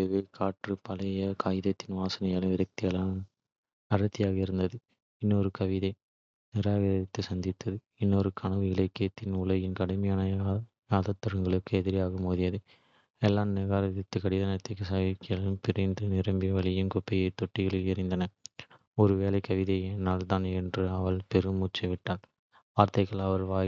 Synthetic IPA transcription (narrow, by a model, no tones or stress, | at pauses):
ɛʋelkʰaːʈrɯpɐlɐjɐkʰaːjɪðɐt̪ːɪnʋaːsɐnɐjɐːlɯmɪɾɐk̚t̪ɪjɐla | ɐɾɐt̪ːɪjaːɣɐɪɾɯnd̪ɐðɯ | ɪnːɔɾɯkɐʋɪðɐɪ | nɪɾaːɣɐɾɐðɪt̪ːɯsɐnd̪ɪt̪ːɐðɯ | ɪnːɔɾɯkʰɐnɐʋɯɪlɐɪkːɐjɐt̪ːɪnʊɭɐjɪnkɐɽɯmɐjaːnɐ | jaːðɐt̪ːɐɾɐŋɡɐɭɯkːɯɛðɪɾɪjaːɣɐmoːðɪjɐðɯ | ɛlːaːmnɪɾaːɾɐðɪt̪ːɯkɐɽɪðɐnɐt̪ːɪkːɯsaːʋɪkːɪɐɭɯmpɪɾɐnd̪ɯnɪɾɐmbiʋɐɭɪjɯmkɔpːɪjɐɪt̪ːɔʈːɪɣɐɭɯɪɾɪnd̪ɐnɐ | ɔɾɯʋeːlɐɪkːɐʋɪðɐeːnːaːlt̪aːnɛndrɯɐʋɐɭpɛɾɯmuːt͡ʃːɐʋɪʈːaːl | ʋaːɾt̪ɐɪɣɐɭɐʋɐɾʋaː